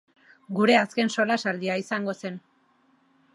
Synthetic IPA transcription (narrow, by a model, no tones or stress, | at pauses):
ɡuɾe̞aske̞nso̞lasald̪iaisaŋɡose̞n